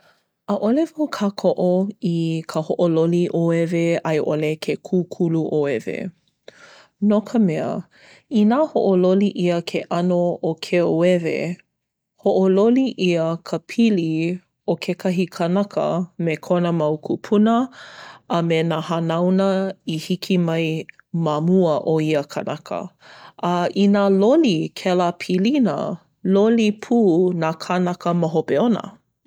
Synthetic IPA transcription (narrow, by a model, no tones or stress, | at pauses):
əʔolevowkʰakʰoʔoikʰəhoʔololiʔoeveɐjʔolekʰekʰuːkʰuluʔoevḛ | nokʰəmɛə̰ | inaːhoʔololiʔiəkʰeʔɐnookʰeoevḛ | hoʔololiʔiəkʰəpʰili | okʰekʰɐɦikʰənɐkʰə̰mekʰonəmɐwkʰupʰunəː | menahanawnəihikʰimɐj | mamuəʔoiəkʰɐnɐkʰə̰ | ɐinalolikʰɛlapʰilinə̰ | lolipʰuːnakʰanɐkəməɦopeonə̰